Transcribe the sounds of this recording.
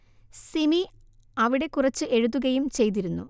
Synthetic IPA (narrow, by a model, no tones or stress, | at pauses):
simi | ɐʋiɽe̞kurɐt͡ɕːɨʔe̞ɻuðːuɣɐjumt͡ɕe̞jt̪̬iɾunːṵ